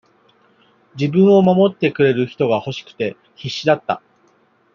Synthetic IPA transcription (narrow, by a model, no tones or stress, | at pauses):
d͡ʑibɯ̟̃ɰ̃o̞mamo̞t̪ːe̞kɯ̟ɾe̞ɾɯ̟çi̥t̪o̞ɡaho̞ɕi̥kɯ̟̥t̪e̞ | çiɕːid̪at̪ːa̰